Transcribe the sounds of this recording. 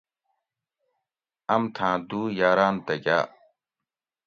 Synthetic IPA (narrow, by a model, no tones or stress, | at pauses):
ɐmt̪ʰãːd̪uːjaːɾaːnt̪ɐɡa̰ː